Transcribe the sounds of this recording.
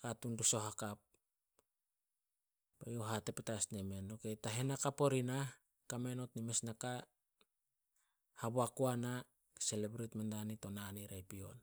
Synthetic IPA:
katunduso̞ɦakap̚ | bajoɦatepetasneme̞nokejtaɦenakapo̞ɾina | kameno̞tnime̞snaka | haboakuana | ke̥selebɾitmendanito̞naniɾajpio̞̰n

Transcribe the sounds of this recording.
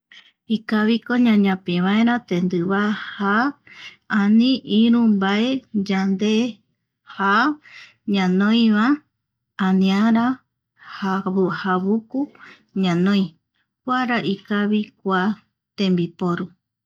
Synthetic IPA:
ikaβikoɲãɲãpeβãeɾãt̪ẽnd̪ɨβaha | anĩʔiɾũmbaed͡ʒand̪e | ha | ɲãnõj̃βa | anĩaɾa | hahaβuku | ɲãnõj̃ | kʷaɾaʔikaβik̚ʷa | t̪ẽmbipoɾu

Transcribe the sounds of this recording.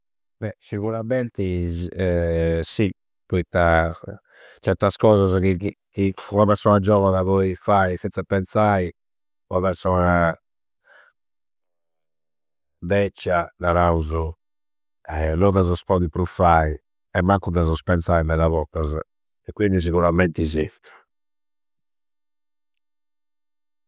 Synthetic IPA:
bɛsiɣuɾamɛnt̪iɛsi | pɔit̪ːa | t͡ʃɛɾt̪askɔːzazkikkiunaβɛɾsɔːnad͡ʒɔvanaβɔifaifinsapɛnt̪sai | uaβɛɾsɔːna | d̪ɛt͡ʃːanaɾauzu | ɛlɔd̪azɔspɔd̪ipɾufai | ɛmːaŋkud̪azɔspɛnt̪saːinɛðaβɔkːaz | ɛkːwind̪is̬iɣuɾamɛnt̪izift̪ḁ

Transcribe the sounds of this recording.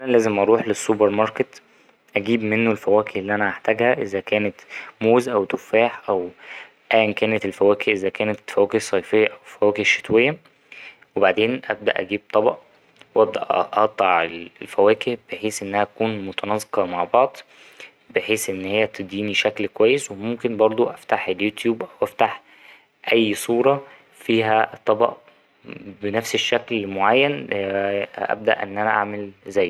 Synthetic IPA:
ænælæːzemʔɑɾˤuːħlesːubeɾmɑɾˤket̪ | ʔæɡiːbmenːolfæwæːkeʔlːiːʔænæaħt̪æɡhæʔezækæːnet̪moːzʔæwt̪ofæːħʔæw | ʔæːnkæːnet̪elfæwæːkeʔezækæːnet̪fæwæːkehsˤːɑjfejːæʔæwefæwæːkeʃːe̥t̪wejːæ | webaʕd̪eːnʔæ̰b̚d̪æ̰ʔæ̰ɡiːb̚t̪ˤːɑbɑʔ | wʔæb̚d̪æ̰ʔʔʔɑt̪ˤːɑʕellfæwæːkehb̥eħeːsʔenːæhæt̪ækuːnmot̪ɑnɑzˤe̥qɑmaʕbɑʕd̪ˤ | beħeːsʔenːhejːæt̪ʰed̪iːniʃæklkowæjːeswemomkenbɑɾˤd̪ˤoʔæft̪aħeljuːt̪juːbʔæwʔæft̪aħ | ʔæjːsˤuːɾˤɑ | fiːɦæt̪ˤːɑbɑ̰ʔ | benæfseʃːæklmoʕajːæn | ʔæ̰b̚d̪æ̰ʔḛnːʔænæʔa̰ʕmelzæːj

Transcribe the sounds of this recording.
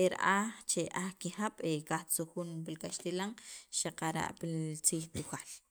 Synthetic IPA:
eɾa̰ʔat͡ʃeʔaxkihaɓ̥ekaxt͡suxuːnpilkaʃt̪ilaŋʃaqaɾa̰ʔpit͡siːxt̪uxal

